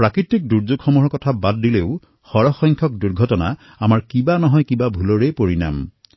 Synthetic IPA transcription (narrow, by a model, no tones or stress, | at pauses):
pɹakɹitik̚duɹd͡ʒuɡxɔmɔɹɔkɔtʰabadːileʊ | xɔɹɔxɔjŋkʰɔk̚duɹɡʱɔtɔna̰ | amaɹkibanɔɦɔjkibabʱulɔɹejpoɹina̰m